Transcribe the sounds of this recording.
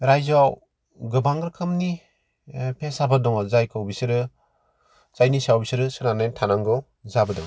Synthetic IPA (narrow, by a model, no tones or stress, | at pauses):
ɾajzaw | ɡɯbaŋɡɾɯkʰɯmni | pʰesabɯdɔŋɔzajkʰɯwbisɯɾɯ | zajnisawbisɯɾɯsɯnanajntʰanaŋɡɔw | zabɯdɔŋ